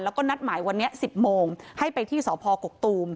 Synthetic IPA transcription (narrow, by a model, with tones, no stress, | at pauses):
nlɛ˦˥wkɔː˥˩na˦˥t̪̚maː˩˦jwa˧nːi˦˥ɐʔsi˨˩p̚moː˧ŋha˥˩jpa˧jt̪ʰiː˥˩sɔː˩˦pʰɔː˧ko˨˩k̚t̪uː˧m